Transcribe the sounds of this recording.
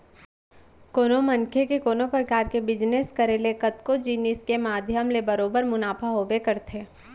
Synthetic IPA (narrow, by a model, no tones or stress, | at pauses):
koːnomɐ̃nkʰekekoːnopɾəkaːɾkebɪd͡ʒneskəɾeːlekɐt̪kod͡ʒiːnɪskemaːd̪ʱjəmlebɐɾoːbəɾmʊnaːpʰaɦoːbekɐɾt̪ʰeː